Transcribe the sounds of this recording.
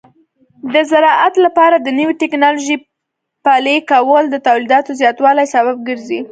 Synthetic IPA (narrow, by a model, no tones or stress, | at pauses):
d̪əzaɾɑʔat̪lapɑɾad̪ənəwiʈɪknɑloʒi | pɑlekawəld̪ət̪awlid̪ɑt̪ozjɑt̪wɑlajsabab̚ɡəɾzi